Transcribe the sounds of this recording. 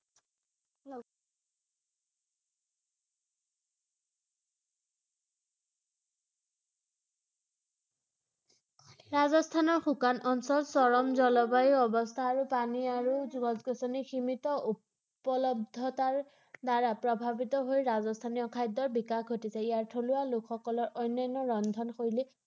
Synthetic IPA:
ɹazɔst̪ʰanɔɹxukanʔɔnsɔlsɔɹɔmzɔlɔbajiɔbɔst̪ʰaːɹupaniaɹuzuɡɔzkɔsɔniximitɔu | pɔlɔb̚d̪ʱɔtaɹ | daɹapɹɔbʱabitɔɦojɹazɔstʰaniɔkʰajdːɔɹbikaxɡʱotisɛijaɹtʰoluwalukʰxɔkɔlɔɹʔɔjnːajnɔɹɔnd̪ʱɔnxoɹilɛ

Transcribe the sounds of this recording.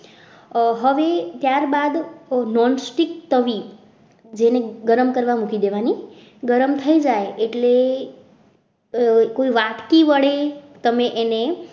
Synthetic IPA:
ɦəʋet̪jaɾbad̪nɔnsʈikt̪əʋi | d͡ʒeneɡəɾəmkəɾʋamukid̪eʋani | ɡəɾəmt̪ʰəid͡ʒaeeʈle | koiʋaʈʰkiʋəɭet̪əmẽʔene

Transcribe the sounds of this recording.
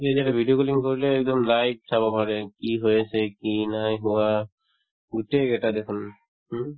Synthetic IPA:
iezɛtabʱiɖiokoliŋkoɹileɛk̚d̪ɔmlajʈ̚sʰabɔpaɹekiɦojesʰekinajɦuwa | ɡuʈeɡɛʈad̪ekʰun | ɦ

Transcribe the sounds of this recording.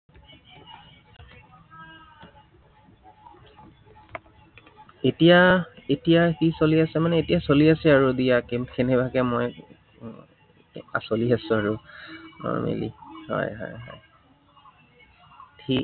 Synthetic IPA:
etijaetijakisoliasɛmanɛetijasoliasɛaɹudijakekʰenɛbakɛmoj | a̰soliasʊ̃aɹunɔ̰ɹmḛlḭhɔ̰jɦɔ̰jɦɔj | tʰi

